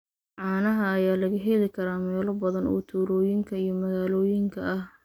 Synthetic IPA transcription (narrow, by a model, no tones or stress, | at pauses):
ʕɑːnɐɦɐːjaːlɐɣɐɦɛlɪkʰɐɾaːmɛːlɔbɐðɐnʔɔ̰ːt̪ʰuːɾɔːjɪŋkʰɐijɞmɐɣaːlɔːjɪŋkʰɐʔɐh